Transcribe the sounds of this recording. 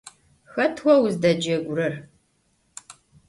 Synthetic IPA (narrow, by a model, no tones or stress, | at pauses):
xɐtʰwʷɔwʊzdɐd͡ʒɐɡʷʊɾɐr